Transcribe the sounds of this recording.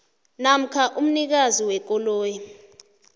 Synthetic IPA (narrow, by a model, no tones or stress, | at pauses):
nam̩kʰaʔum̩nik̬aziwɛk̬ɔloːji